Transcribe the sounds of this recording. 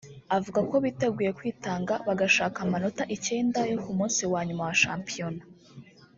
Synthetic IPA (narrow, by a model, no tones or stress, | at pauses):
avuɡako̞βite̞ɡuːje̞kwiːtaːŋɡaβaɡaʃaːkamano̞taʔice̞ːndajo̞kumuːnsiwaːɲumawaʃaːmpijo̞na